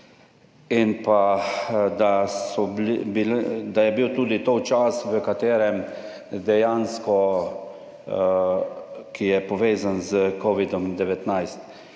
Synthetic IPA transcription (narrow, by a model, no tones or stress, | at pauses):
inpa | d̪asɔbbild̪ajɛbiwt̪uːd̪it̪ot͡ʃasʋəkat̪eːɾɛm | d̪ɛjaːnskɔ | kijɛpɔʋeːzanzəkɔʋid̪ɔmd̪ɛʋɛt̪najst̪